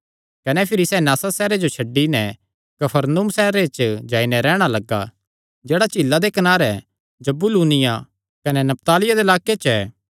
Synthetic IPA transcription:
kɐnɛpʰɪɾisɛnaːsasɛːɾed͡ʒot͡ʃʰɐɖːinɛ | kɐpʰəɾnuːmsɛːɾet͡ʃd͡ʒaːinɛɾɛːɽ̃alɐɡːa̰ | d͡ʒeːɽat͡ʃɪlːad̪ekɐnaːɾɛ | d͡ʒɐbuluːnɪja | kɐnɛnɐp̚t̪aːlɪjad̪elaːket͡ʃɛː

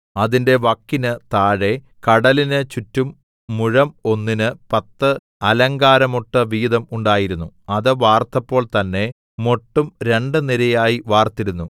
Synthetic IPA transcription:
ɐðinde̞ʋɐkːinɨt̪aːɻe̞ | kɐɽɐlinɨt͡ɕutːumː | uɻɐmo̞nːinɨpɐt̪ːɨ | ɐlɐŋɡaːɾɐmo̞ʈːɐʋiːðɐmuɳɖaːjiɾunːuɐðɨʋaːrt̪ɐpːo̞ːɭt̪ɐnːe̞ | mo̞ʈːumɾe̞ɳɖɨniɾɐjaːjiʋaːrt̪iɾunːu

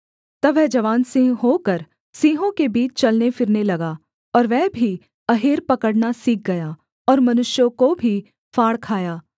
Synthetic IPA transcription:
t̪ɐʋɛːd͡ʒɐʋaːnsɪ̃ɦɦokəɾ | sĩːɦõkebiːt͡ʃt͡ʃɐlnefʰɪɾnelɐɡaː | ɔːɾʋɛːbʱi | ɐɦeːɾpɐkəɽnasiːk̚ɡɐjaː | ɔːɾmɐnʊʃjõkobʱi | faːɽkʰaːjaː

